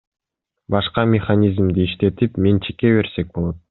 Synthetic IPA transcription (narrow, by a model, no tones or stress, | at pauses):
bɑʃqɑmʲɪχanʲizmd̪iːiʃt̪e̞t̪ipment͡ʃʰe̥ke̞βe̞ɾse̞k̚bo̞lˠot̪